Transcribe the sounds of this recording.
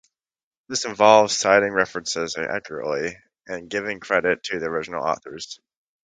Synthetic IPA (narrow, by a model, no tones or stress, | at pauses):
ðɪsɨ̃ɱvɑlˠvz̥saɪɾɪ̃ŋɹɛfɹɨ̃nsɪzʔæ̰kʰjə˞ə̰ʔli | ɨ̃nɡɪvɪ̃ŋkʰɹ̥ɛɾɪtʰɨðiə˞ɪd͡ʒn̩l̩ˠɔ̰θə˞z̥